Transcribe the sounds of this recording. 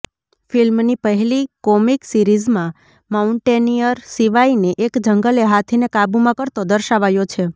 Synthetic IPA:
filmnipəɦɛlikɔmiksiɾizmã | mauɳʈenijəɾsiʋaineʔekd͡ʒəŋɡəleɦat̪ʰinekabumãkəɾt̪od̪əɾʃaʋajot͡ʃʰe

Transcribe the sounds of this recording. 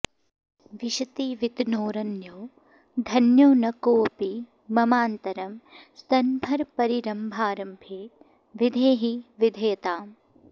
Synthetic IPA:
ʋiʃɐt̪iʋit̪noːɾɐnjoː | d̪ʱɐnjoːnɐkoːpi | mɐmaːnt̪ɐɾɐmsɐnbʱɐɾpɐɾiɾɐmbʱaːɾɐmbʱeːt̪ | ʋid̪ʱeːɦiʋid̪ʱɐjɐt̪aːm

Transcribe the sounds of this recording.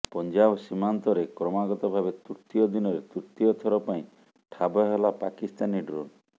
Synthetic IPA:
pɔnd͡ʒabsimant̪ɔɾekɾɔmaɡɔt̪ɔbʱabet̪uɾt̪iɔd̪inɔɾet̪uɾt̪iɔt̪ʰɔɾɔpaĩ | ʈʰabɔɦelapakist̪aniɖɾo̰n

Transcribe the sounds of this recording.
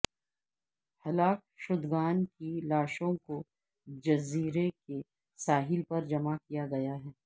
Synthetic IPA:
hɐlaːk̚ʃʊd̪ɡaːnkilaːʃõko | d͡ʒɐziːɾeke | saːɦɪlpɐɾd͡ʒɐmakijaɡɐjaɦɛː

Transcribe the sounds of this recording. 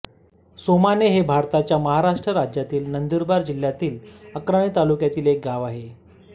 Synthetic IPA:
somaneɦebʱaɾt̪at͡ɕjaməɦaɾaʂʈɾəɾad͡ʑjat̪iːlnənd̪uɾbaɾd͡ʑil̤jat̪iːləkɾaɳ̃iːt̪alukjat̪iːlek̚ɡaʋaɦe

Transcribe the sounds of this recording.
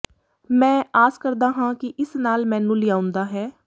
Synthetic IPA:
mɛ̃ːʔaːzkəɾd̪aːɦãːkɪʔɪsnaːlmɛ̃ːnũːlɪaːʊ̃nd̪aːɦɛː

